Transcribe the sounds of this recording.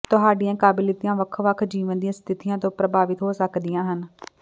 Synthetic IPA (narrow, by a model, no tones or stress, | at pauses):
t̪ʊɦaːɖijãːkaːbɪlɪt̪ijãːʋəkʰʋəkʰd͡ʒiːʋənd̪ijãːst̪ʰɪt̪ijãːt̪õːpɾəbʱaːʋɪt̪ɦoːsəkd̪ijãːɦən